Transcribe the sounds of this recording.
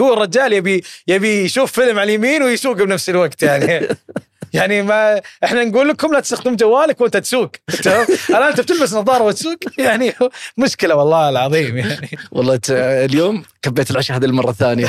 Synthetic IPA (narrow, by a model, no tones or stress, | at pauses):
huwːɪrˤːɑd͡ʒaːljabijabijʃuːfːɪlmʕaljamiːnwɪjsuːɡbnafsɪlwaɡt̪jaʕni | jaʕnimaʔɪħnanɡuːlːɪkʊmlat̪ɪ̥st̪axd̪ɪmd͡ʒawːaːlakwʔɪnt̪at̪suːɡɪt̪hʊmhalʔant̪ab̚t̪ɪlbasnɑðˤɑːɾˤɑwɪt̪suːkjaʕnimʊʃkɪlawɑlˤːɑːɪlʕɑðˤiːmjaʕniwɑ̰lˤːɑːt̪ljoːmkabːeːt̪ɪlʕaʃahad̪almɑrˤːɑθːaːnija